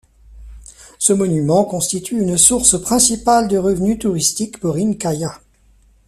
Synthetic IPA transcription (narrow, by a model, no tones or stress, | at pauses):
səmɔnymɑ̃kɔ̃st̪it̪ʰyːnsuʁspχɛ̃sipald̪əʁəvnyt̪uʁist̪ikpɔʁinkaja